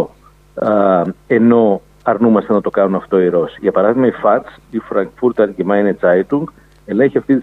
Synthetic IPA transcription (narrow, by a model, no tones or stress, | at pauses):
e̞no̞ | ɐɾnumɐst̪enɐt̪o̞kɐnunɐft̪o̞iɾo̞siʝɐpɐɾɐðizmɐifɐt͡sifɾɐŋkfuɾt̪ɐɾcimɐinet͡sɐjt̪uŋɡ | e̞leçiɐft̪it̪i